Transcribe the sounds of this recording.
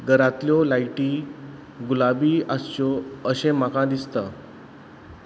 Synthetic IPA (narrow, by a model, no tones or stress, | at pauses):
ɡəɾat̪ljɔlajʈiː | ɡulabiːast͡ɕɔəɕẽmakãd̪ist̪a